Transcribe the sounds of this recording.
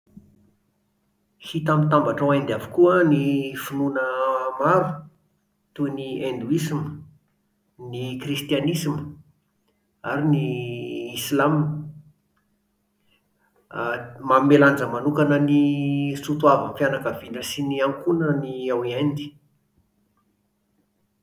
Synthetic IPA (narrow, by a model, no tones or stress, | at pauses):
hit̪amit̪ambaʈ͡ʂawand̪avukuənifununəmaɾu̥ | t̪uniend̪uisimə | nikrist̪ianisimə | aɾiniː | slam | mameland͡zəmanukanənisut̪uavənfianakavinəsiniaŋkunəniawiand̪i̥